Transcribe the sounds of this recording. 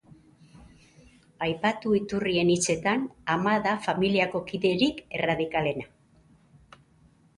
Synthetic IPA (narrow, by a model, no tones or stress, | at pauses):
ajpat̪uit̪urie̞nit͡se̞t̪anamaðafamiliako̞kiðe̞ɾike̞̰raðikale̞na